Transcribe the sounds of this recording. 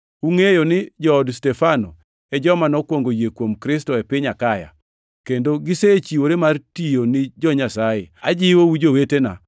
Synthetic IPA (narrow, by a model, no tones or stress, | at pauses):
uŋejonɪd͡ʒɔːdstɛfano̰ | ɛd͡ʒɔmanɔkwoŋɡojekwomkɾɪs̬tɔɛpɪɲakaja̰ | kendoɡɪset͡ʃiwoɾemartijonɪd͡ʒɔɲasajea̰d͡ʒɪwowud͡ʒowetena̰